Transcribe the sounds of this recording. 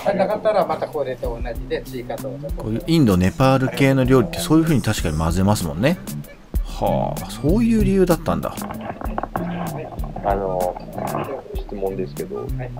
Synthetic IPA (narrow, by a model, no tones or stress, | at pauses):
anakat̪ːaɾamat̪akoːɾet̪oːnaʑid̪e̞sɨikat̪oːakkʰo̞ːjɯːʔĩnd̪o̞ne̞paːɾɯ̟ke̞ːno̞ɾʲo̞ːɾʲit̪ːe̞soːjɯ̟ɸɯ̟ːɲ̟it̪aɕi̥kaɲ̟imazɨe̞masɨmõ̞nːe̞ | ha̰ːso̞ːjɯ̟ːɾʲijɯ̟ːd̪at̪ːãnd̪a̰ | ano | ɕi̥t͡sɨmõ̞nd̪e̞sɨ̥ke̞d̪o̰a